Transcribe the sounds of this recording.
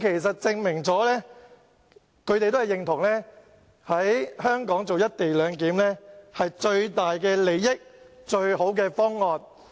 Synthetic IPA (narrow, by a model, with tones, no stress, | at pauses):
kʰe˨˩js̬ɐ˨t̚t͡sɪ˧ŋmɪ˨˩ŋt͡sɔː˨˥lɛː˥ | kʰɵ˨˧ɥt̪e˨t̪hɐ˨˩jɪ˨˩ŋt̪ʰʊ˨˩ŋlɛː˥ | hɐ˨˥jhœː˥ŋkɔː˨˥ŋt͡so˨wjɐ˥t̚t̪e˨jlœː˨˧ŋkiː˨˥mlɛː˥hɐ˨jt͡ʃɵ˧ɥt̪aː˨jkɛː˧le˨˧jːɪ˥k̚t͡ʃɵ˧ɥho˨˥wk̬ɛː˧fɔː˥ŋːɔː˨n